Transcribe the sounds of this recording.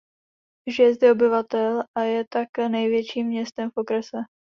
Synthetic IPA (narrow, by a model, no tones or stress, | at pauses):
ʒjɛzd̪ɛobɪvat̪ɛlʔajɛt̪aknɛjvjɛt͡ʃiːmːɲɛst̪ɛmfʔokɾɛsɛ